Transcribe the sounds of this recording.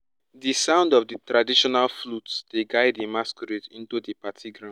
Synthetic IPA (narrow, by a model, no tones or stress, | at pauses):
disãʊ̃ndɔvditɹadiʃɔnalflutsd̥eɡaɪdemaskɔɾetḭ̃ntudipatʰiɡɾã